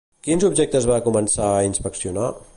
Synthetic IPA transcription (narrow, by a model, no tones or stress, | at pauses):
kinzub̚ʒɛk̚t̪əzβakumənsaəinspəksiuna